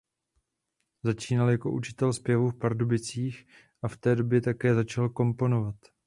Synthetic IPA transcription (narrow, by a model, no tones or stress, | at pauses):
zat͡ʃiːnaljako̞̰ʔut͡ʃɪ̥t̪ɛlspjɛvufpaɾdubɪt͡siːx | ʔaft̪ɛːdo̞bjɛt̪akɛːzat͡ʃalko̞mpo̞no̞vat̪